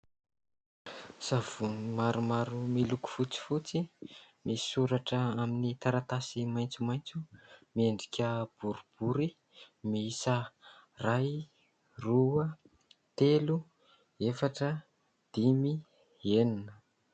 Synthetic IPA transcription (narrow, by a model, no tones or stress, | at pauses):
savumaɾumaɾumiluku̥fut͡si̥fut͡simisi̥suɾaʈ͡ʂəaminit̪aɾat̪asimajnt͡sumajnt͡sumieɳɖ͡ʐikʲəb̥uɾub̥uɾi | miisəraj | ruə | t̪elu | efaʈ͡ʂə | d̪̥imi | eninə